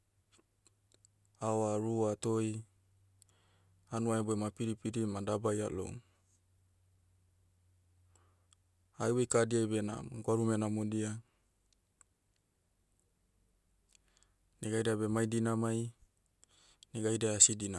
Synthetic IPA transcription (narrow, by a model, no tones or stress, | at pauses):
aoaɾuat̪oj | anuaeboemapiɾipiɾimadabaja̰lo̰ŋ | ajwejkadiajbena̰ɡoaɾumenamodia | neɡajdeabemajdinamaj | neɡajdeasidina